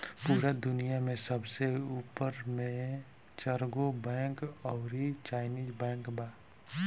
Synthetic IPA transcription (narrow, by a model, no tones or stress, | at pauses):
puːɾad̪ʊnijamẽsəbseuːpəɾmẽ | t͡ʃəɾɡobɛ̃ːkɔːɾit͡ʃaːɪniːzbɛ̃ːŋkbaː